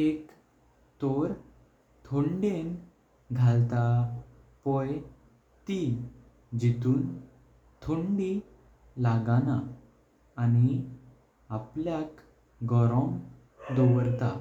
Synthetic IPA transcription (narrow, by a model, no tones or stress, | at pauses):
ek | t̪oɾ | t̪ʰoɳɖen | ɡʱalt̪a | pɔj | t̪i | d͡ʑit̪uːn | t̪ʰoɳɖi | laɡanaː | ni | apljak | ɡɔɾɔ̃m | d̪ɔʋəɾt̪a